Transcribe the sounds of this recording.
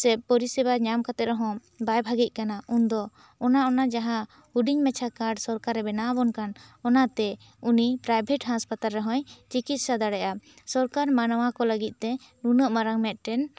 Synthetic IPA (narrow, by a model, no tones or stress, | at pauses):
sɛp̚pɔɾisɛbaɲamkat̪ɛɾɔɦɔ̃ | bajbʱaɡic̪̚ˀkanaʔund̪ɔ | ɔnaɔnad͡ʒaɦã | uɖiɲmɛt͡ʃʰakaɾɖsɔɾkaɾɛbɛnabɔnkanɔnat̪ɛ | unipɾajbʱɛʈɦaspat̪alɾɛɦɔ̃jt͡ʃikit̪̚sad̪aɽɛʔa | sɔɾkaɾmanəwakɔləɡit̪̚ˀt̪ɛ | nunəʔmaɾaŋmɛt̪̚ˀʈɛn